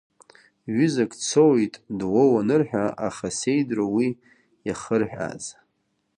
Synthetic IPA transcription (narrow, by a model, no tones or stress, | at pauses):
ɥʏzakʼt͡sʰowjtʼdwowanɨrħᶣaaχasejdrawi | jaχərħᶣʷa̰z